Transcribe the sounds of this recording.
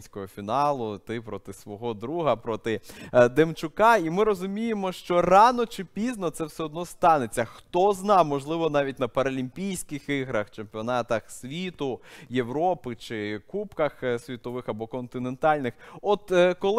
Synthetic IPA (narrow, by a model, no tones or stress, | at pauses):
sʲkɔɦɔfʲinɑlˠʊt̪ɪpɾɔt̪ɪsʋɔɦɔd̪ɾuɦɐpɾɔt̪ɪd̪emt͡ʃʊkɑimɪɾɔzʊmʲijemɔʃt͡ʃɔrɑnɔt͡ʃɪpʲiznɔt̪sɛwsɛɔd̪nɔst̪ɑnet͡sʲːɐxt̪ɔznɑwmɔʒlˠɪʋɔnɑʋʲit̚ʲnɐpɐɾɐlʲimʲpʲijsʲkɪxiɦɾɐxt͡ʃempʲiɔnɑt̪ɐxsʲʋʲit̪ʊjewɾɔpɪt͡ʃɪkupkɐxsʲʋʲit̪ɔʋɪxɐbɔkɔnt̪ɪnent̪ɑlʲnɪxɔt̪kɔlˠ